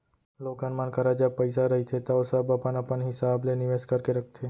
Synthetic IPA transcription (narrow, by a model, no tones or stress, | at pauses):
loːkənmankəɾad͡ʒəb̚pəɪsaɾɐɦit̪ʰet̪ɐosəbɐpənɐpənɦɪsaːblenɪʋeːskɐɾkeɾɐkʰt̪ʰeː